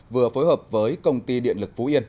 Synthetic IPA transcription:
vɨ˨˩əfo˨˦jhəː˨˩p̚vəː˨˦jkə˧wŋ͡mt̪i˧ɗḭ˧˨ənlɨ˨˩k̚fu˨˦ʔi˧ən

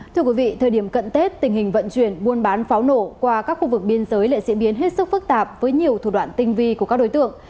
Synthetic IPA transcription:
t̪ʰɨ˧əkwi˨˦vḭ˧˨t̪ʰəː˨˩jɗi˧˩əmkə̰˧˨nk̪e˦˥t̚t̪ï˨˩ŋhï˨˩ŋ̟və̰˧˨nt͡ɕwi˧˩ənɓu˧ənɓaː˨˦nfaː˨˦wno˧˩kwaː˧kaː˦˥k̚xu˧vɨ˨˩k̚ɓi˧ənzəː˨˦jlḛ˧˨zḭ˧˥əɓi˨˦ənɦe˦˥t̚sɨ˦˥k̚fɨ˦˥k̚t̪aː˨˩p̚vəː˨˦jɲi˨˩əwt̪ʰu˨˧˩wa̰ː˧˨nt̪ï˧ŋ̟vi˧ku˧˩əkaː˦˥ɗo˨˦jt̪ɨ̰˧˨əŋ

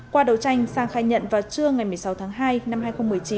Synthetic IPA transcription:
kwaː˧ɗə˨˧˩wt͡ɕa˧jŋ̟saː˧ŋxaː˧jɲə̰˧˨nvaː˨˩t͡ɕɨ˧əŋa˨˩jmɨ˨˩əjsa˨˦wt̪ʰaː˨˦ŋɦaː˧jna˧mɦaː˧jxə˧wŋ͡mmɨ˨˩əjt͡ɕi˨˦

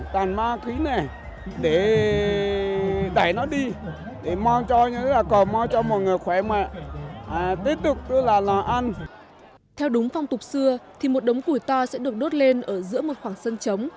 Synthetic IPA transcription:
t̪aː˨˩nmaː˧xi˨˦na˨˩ | ɗe˧˩ | ɗaː˧˩jnɔ˨˦ɗi˧ | ɗe˧˩ma˧wt͡ɕɔ˧ɲɨ̰˧˥laː˨˩kɔ˨˩ma˧wt͡ɕɔ˧mo˨˩t̚ŋɨ˨˩əjxwɛ˧˨˩mwɛ̰˧˨ | t̪i˦˥t̚t̪ɨ˨˩k̚t̪ɨ˧əlaː˨˩laː˨˩ʔa˧n | t̪ʰɛ˧wɗʊ˨˦ŋ͡mfa˧wŋ͡mt̪ʊ˨˩k͡p̚sɨ˧ət̪ʰi˨˩mo˨˩t̚ɗə˨˦wŋ͡mku˧˩jt̪ɔ˧sɛ̰˧˥ɗɨ˨˩ək̚ɗo˦˥t̚le˧nʔəː˧˩zɨ̰˧˥əmo˨˩t̚xwaː˧˩ŋsə˧nt͡ɕə˨˦wŋ͡m

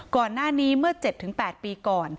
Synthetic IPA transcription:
kɔː˨˩nːaː˥˩niː˦˥mɯ˥˩ɐt͡ɕe˨˩t̪ʰːɯ˩˦ŋpɛː˨˩t̪̚piː˧kɔː˨˩n

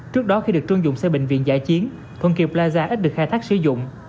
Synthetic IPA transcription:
t͡ɕɨ˦˥ək̚ɗɔ˨˦xi˧ɗɨ˨˩ək̚t͡ɕɨ˧əŋzʊ̰˧˨ŋ͡msɛ˧ɓḭ˧˨ŋ̟vḭ˧˨ənza̰ː˧˩jt͡ɕi˨˦ən | t̪ʰwə˧nki˨˩əplaː˧zaː˧ʔ̚ɗɨ˨˩əkxːjt̪ʰaː˦˥k̚sɨ̰˧˩zʊ̰˧˨ŋ͡m

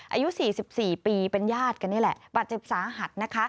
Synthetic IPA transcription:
ʔa̰˧ju˦˥siː˨˩si˨˩p̚siː˨˩piː˧pe˧njaː˥˩t̪̚ka˧nːi˥˩˨lɛ˨˩baː˨˩t̪̚t͡ɕe˨˩p̚saː˩˦ɦa˨˩t̪̚na˦˥kʰa˦˥

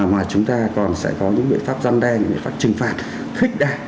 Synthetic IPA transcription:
maː˨˩jt͡ɕʊ˨˦ŋ͡mt̪aː˧kɔ˨˩nsɛ̰˧˥kɔ˨˦ɲɨ̰˧˥ŋɓḭ˧˨ənfaː˦˥p̚za˧nɗɛ˧ɲɨ̰˥ŋ͡mɓḭ˧˨faː˦˥p̚t͡ɕɨ˨˩ŋfaː˨˩t̚ | xï˦˥k̟̚ɗaː˧

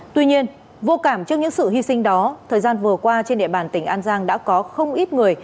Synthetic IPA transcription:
t̪wi˧ɲi˧ən | vo˧kaː˧˩mt͡ɕɨ˦˥ək̚ɲɨ̰˧˥ŋsɨ̰˧˨hi˧sï˧ŋ̟ɗɔ˨˦t̪ʰəː˨˩jzaː˧nvɨ˨˩əkwaː˧t͡ɕe˧nɗḛ˧˨ɓaː˨˩nt̪ï˧˩ŋ̟ʔaː˧nzaː˧ŋɗa̰ː˧˥kɔ˨˦xə˧wŋ͡mʔi˦˥t̚ŋɨ˨˩əj

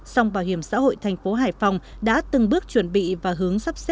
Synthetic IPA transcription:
sa˧wŋ͡mɓaː˧˩whi˧˩əmsa̰ː˧˥ho̰˧˨jt̪ʰɛ˨˩jŋ̟fo˨˦ɦaː˧˩jfa˨˧˩wŋ͡mɗa̰ː˧˥t̪ɨ˨˩ŋɓɨ˦˥ək̚t͡ɕwə˧˩nɓḭ˧˨vaː˨˩ɦɨ˨˦əŋsa˦˥p̚se˦˥

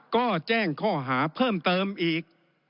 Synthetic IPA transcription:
kɔː˥˩t͡ɕɛː˥˩ŋkʰɔː˥˩ɦaː˩˦pʰɤː˥˩mt̪ɤː˧mʔiː˨˩k̚

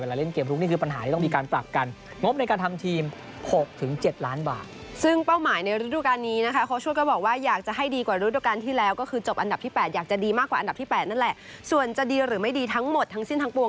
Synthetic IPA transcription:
e˧˩la˧˦le˥˩nkeː˧˩mp̪ʰɾʰu˦˥ni˥˩kɯː˧pa˧nɦaː˩˦iː˥˩tɔ˥˩miː˧kaː˧npɾa˨˩p̚ka˧n | ŋo˦˥p̚na˧jkaː˧nt̪ʰa˧mt̪ʰiː˧m | ho˨˩k̚t̪ʰɯ˩˦ŋt͡ɕe˨˩t̪̚laː˦˥nba̰ː˨˩t̪̚sɯ˥˩ŋpa˥˩wmaː˩˦jna˧jɾu˦˥duː˧˩kaː˧nːiː˦˥na˦˥kʰa˦˥kʰa˦˥wt͡ɕʰu˥˩əkɔː˥˩bɔː˨˩k̚waː˥˩jaː˨˩k̚t͡ɕa˨˩ɦa˥˩jdiː˧kwaː˨˩ɾu˧˦˥du˧˩kaː˧nt̪ʰiː˥˩lɛː˦˥wkɔː˥˩kʰɯː˧t͡ɕo˨˩p̚ʔa˧nda˨˩t̪ʰiː˥˩pɛː˨˩t̪̚jaː˨˩k̚t͡ɕa˨˩diː˧maː˥˩kːwaː˨ʔa˧nda˨˩t̪ʰiː˥˩pɛː˨˩t̪̚na˥˩nlɛ˨˩ʔ | su˨˩ənt͡ɕa˨˩diː˧ɾɯː˩˦ma˥˩jdiː˧t̪ʰa˦˥ŋmo˨˩t̪ʰːa˦˥ŋsi˥˩nt̪ʰa˦˥ŋpu˧ə˧ŋ

